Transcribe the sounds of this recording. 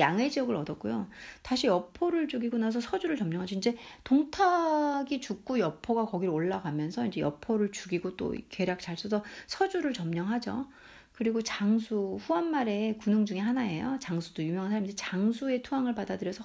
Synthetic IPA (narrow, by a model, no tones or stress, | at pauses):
jaŋwe̞d͡ʑiʌɡɯɾʌdʌt̚k͈ujotaɕʰijʌpʰoɾɯɭt͡ɕuɡiɡonas̬ʰʌsʰʌd͡ʑuɾɯɭt͡ɕʌmɲʌŋɦad͡ʑoind͡ʑe̞toŋtʰaɡit͡ɕuk̚k͈ujʌpʰoɡakʌɡiɾoɭːaɡamjʌnsʰʌind͡ʑe̞jʌ̰pʰoɾɯɭt͡ɕuɡiɡot͈o̰ke̞ɾjak̚t͡ɕaɭs͈usʰʌsʰʌd͡ʑuɾɯɭt͡ɕʌmɲʌŋɦad͡ʑo̰ | kɯɾiɡot͡ɕaŋsʰuɸuʌnmaɾe̞kunɯŋd͡ʑuŋeɦanae̞jot͡ɕaŋsʰudojumjʌŋansʰamind͡ʑet͡ɕaŋsʰue̞tʰuaŋɯɭpadadɯɾjʌsʰʌ